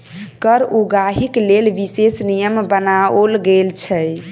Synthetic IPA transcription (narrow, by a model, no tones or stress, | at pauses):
kəɾuɡaɦiklelʋisesnijəmbənaolɡelt͡ʃʰɛ